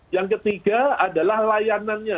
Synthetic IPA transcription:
jaŋkət̪iɡaadalahlajananɲa

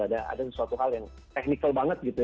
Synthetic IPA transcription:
adaʔa̰dasəsuat̪uɦaljaŋ | t̪ɛk̚nikalbaŋət̪̚ɡit̪u

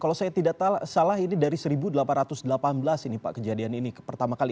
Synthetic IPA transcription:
kalawsajat̪idaʔt̪alsalaɦinidaɾisəɾibudəlapanrat̪ʊsdəlapanbəlasinipa̰ʔkəd͡ʒadianinipərt̪amakali

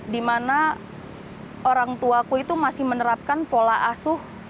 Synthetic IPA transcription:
dimana | ʔoɾaŋt̪uakuit̪umasɪhmənəɾap̚kanpolaʔasʊh

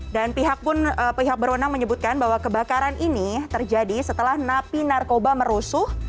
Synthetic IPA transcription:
danpiɦak̚pʊnəpiɦak̚bərwənaŋməɲəbut̪̚kanbaɦwakəbakaɾanʔinit̪ərd͡ʒadisət̪əlahnapinarkobaməɾusʊh

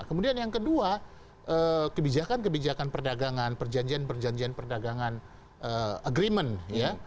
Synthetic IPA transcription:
kəmudianjaŋkədua | ʔəkəbid͡ʒakank̬əbid͡ʒakanpərdaɡaŋanpərd͡ʒaɲd͡ʒianpərd͡ʒaɲd͡ʒianpərdaɡaŋan | ʔəːəɡɾimənja

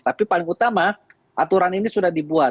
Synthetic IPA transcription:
t̪apipalɪŋut̪ama | ʔat̪uɾaninisudahdibua

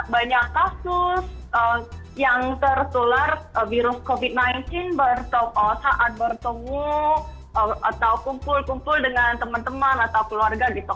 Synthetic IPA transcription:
baɲakːasʊsə | jaŋt̪ərt̪ularəviɾʊskovit̪̚najnt̪ɪnbərt̪ɔkɔsaʔat̪̚bərt̪əŋu | əat̪awkumpʊlkumpʊldəŋant̪əmant̪əmanat̪awkəluarɡaɡit̪u

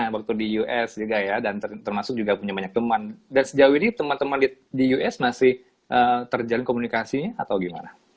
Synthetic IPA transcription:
awak̚t̪udijuʔɛsd͡ʒuɡajadant̪ət̪ərmasʊk̚d͡ʒuɡapuɲabaɲak̚t̪əmandansəd͡ʒawinit̪əmant̪əmandidijuʔɛsmasɪh | ʔəːt̪ərd͡ʒalɪnkomunikasiɲaat̪awɡima̰na

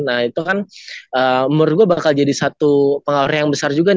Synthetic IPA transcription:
nahit̪ukanəːmʊrɡuabakald͡ʒadisat̪upəŋaɾajaŋbəsard͡ʒuɡan

